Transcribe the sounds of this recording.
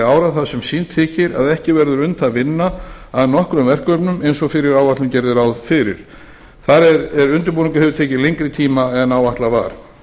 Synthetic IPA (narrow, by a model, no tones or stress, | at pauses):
aːwɾaθaðsɛmsint̪ʰɪːcɪɾa̰ðɛhcɪvɛɾðʏɾʏnt̪ʰaðvɪnːaaðnɔhkɾʏmvɛr̥kœpnʏmejnsɔɣfɪɾɪɾaːwvaht̪lʏmcɛɾðɪɾawðfɪɾɪ̰ɾ̥ | θaɾɛɾɛɾʏnt̪̬ʏɾpuːnɪŋkʏ̥hɛvʏɾt̪ʰɛːcɪleŋkɾɪt̪ʰiːmaɛnaːwvaht̪lava̰ɾ̥